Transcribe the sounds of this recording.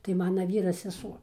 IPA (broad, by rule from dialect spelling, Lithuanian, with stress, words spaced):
tɐɪ ˈmɑːnɐ ˈʋʲiːrɐ sʲɛˈsuɔ